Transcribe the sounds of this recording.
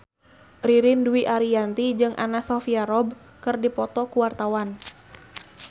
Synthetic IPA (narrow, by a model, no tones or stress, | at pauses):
riɾinduiʔaɾiant̪id͡ʒɨŋʔa̰nasɔfiaɾɔb | kɨrdipɔt̪ɔkuwart̪awan